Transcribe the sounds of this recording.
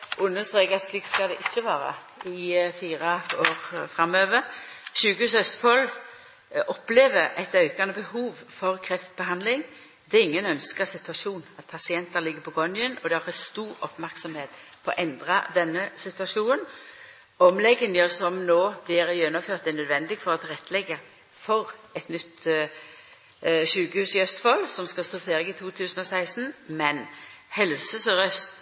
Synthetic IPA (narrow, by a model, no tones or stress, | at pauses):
ʔʊnːəst̪ʁeːkɑt̪slikt̪skɑld̪ɛʔɪçːəʋɑːɾɑ̰ | ɪfiːʁəoːɾfʁɑmøːʋəɾɕʉːɡʉsœt̪fɔl | ʔɔpleːʋəɾɛɪt̪œʏkɑnəbəhuːʋfɔʁkʰɾɛft̪bəɦɑnd̪lɪŋ | d̪̥ɛɪŋːənœnskəsɪt̪ʉɑʃuːnɑt̪̚pʰɑsɪɛnt̪əlɪɡːəɾpʰɔɡɔnɪənɔd̪ɛɑfɛst̪uːɾɔpmæʁksɔmheːt̪pʰɔɔ̰ʔɛnd̪ʁɑd̪ɛnːəsɪt̪ʉɑʃuːnən | ɔmlɛɡːənjəsɔmnoːblɪɾjɛnːʊføːʁt̪̚d̪ɛnœd̪ʋɛnd̪ɪɡfɔʁɔt̪ʰɪlʁɛt̪ʰːlɛɡːə | fɔɾɛt̪nʏt̪ː | ʃʉːkəhʉːsɪœst̪fɔlsɔmskɑlst̪ʊfeːɾɪɡɪt̪ʰuːt̪ʰʉːsən̩ɔsæɪst̪n̩mɛnhɛlsəsɾœst̪